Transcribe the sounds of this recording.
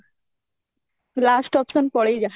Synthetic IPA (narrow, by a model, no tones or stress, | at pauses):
lasʈɔpsɔnpɔɽejd͡ʒa